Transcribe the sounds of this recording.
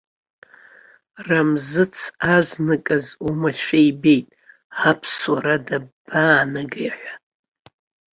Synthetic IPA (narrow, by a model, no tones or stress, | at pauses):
ramzɨt͡sʰaznɨkʼazumaʃᶣaibe̞jtʼ | apʰswaɾadabaːnɨɡajħʷᶣa